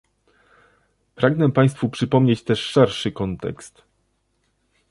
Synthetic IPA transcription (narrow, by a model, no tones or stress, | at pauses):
pɾaɡnɛpaj̃st̪fupʂɘpɔmɲet͡ɕt̪ɛʂʂɛɾʂɘkɔnt̪ɛ̰kst̪